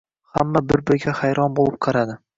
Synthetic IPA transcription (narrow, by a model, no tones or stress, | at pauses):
hamːabɪɾbɪɾɡʲahajɾɒnbolˠɪp̚qʰɑɾad̪ɪ